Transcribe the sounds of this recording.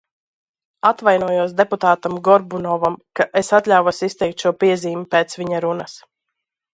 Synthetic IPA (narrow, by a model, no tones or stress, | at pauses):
at̪vajnuɔjuɔsd̪eput̪aːt̪amɡɔɾbunɔvamkaʔesat̪lʲawvasist̪ɛjk̚t̪ʃuɔpiɛziːmupɛːt̪svʲiɲaɾunas